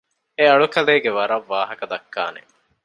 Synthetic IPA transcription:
eɐɭukɐleːɡeʋɐɾɐʋːaːɦɐkɐd̪ɐkːa̰ːnḛ

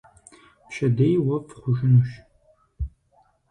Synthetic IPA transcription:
pʃɐdejwɐfχʷʊʒɪnuʃ

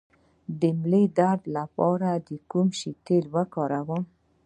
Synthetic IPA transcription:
d̪əmled̪aɾd̪lapɑɾad̪əkumʃit̪elwakɑɾawəm

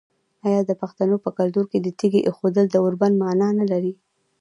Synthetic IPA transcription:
ɑjɑd̪əpaxt̪anopəkalt̪uɾked̪ət̪iɡeʔexod̪əld̪əoɾband̪mɑnɑnalaɾi

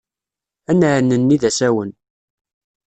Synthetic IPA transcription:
ænəɾnːənːiðæsæwən

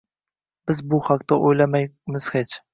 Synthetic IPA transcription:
b̥ɪzbʊhaqt̪aʔojlamajmɪz̥het͡ʃ

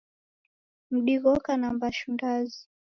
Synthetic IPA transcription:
m̩ɗiɣɔkanambaʃundazi

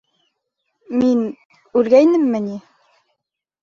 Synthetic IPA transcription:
min | ʉlɡæjnɘmːɘni

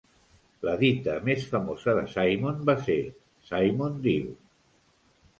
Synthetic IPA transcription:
ləðit̪əmesfəmozəðəsajmonbase | sajmond̪iw

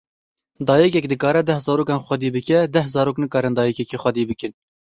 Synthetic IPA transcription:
d̪ɑːjɛkɛk̚d̪ɨkɑːɾɛd̪ɛhzɑːɾoːkɑːnxʷɐd̪iːbɨkɛd̪ɛhzɑːɾoːknɨkɑːɾɨnd̪ɑːjɛkɛkiːxʷɐd̪iːbɨkɨn

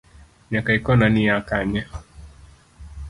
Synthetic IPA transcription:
ɲakaikɔnaniakaɲa

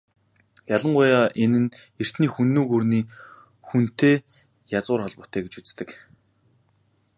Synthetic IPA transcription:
jaɮə̆ɴɢʊjaːʔenɘ̆ner̥t̪niːxunːuːɣurniː | xun̥t̪eː | jat͡sʁʊːrχɔɮpʊːt̪ʰæːɡet͡ɕut͡st̪ɘ̆k

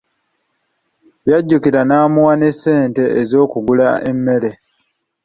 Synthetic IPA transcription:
jaɟːukiɾanaːmuwane̞sːe̞ːnte̞ːzo̞ːkuɡulaemːe̞ɾe̞

